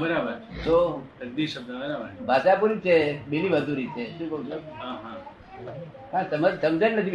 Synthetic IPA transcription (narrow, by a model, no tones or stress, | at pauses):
bəɾabəɾt͡ʃʰet̪ot̪ɐk̚d̪iʃəb̚d̪əbəɾabəɾʰbʱasapuɾit͡ʃʰebiliʋəd̪ʱuɾit͡ʃʰeʃũːkəũt͡ʃʰuɦãɦã | kãsəməd͡ʒsəmd͡ʒənnət̪ʰi